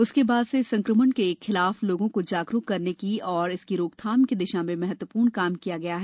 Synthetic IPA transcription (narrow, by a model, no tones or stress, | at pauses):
ʊskebaːd̪sesɐ̃ŋkɾəmənkeːkxɪlaːfloːɡõkod͡ʒaːɡɾukkːɐɾnekiɔːɾɪskiɾoːkt̪ʰaːmkid̪ɪʃãmẽmɛɦɛt̪wəpuːɾɳkaːmkijaɡɐjaɦɛː